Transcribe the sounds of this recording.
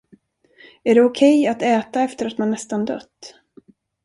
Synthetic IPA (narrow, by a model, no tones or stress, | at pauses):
æɖɛʊkʰɛjat̪ɛːt̪aɛft̪əɾat̪manːɛst̪and̪œ̰t̪ː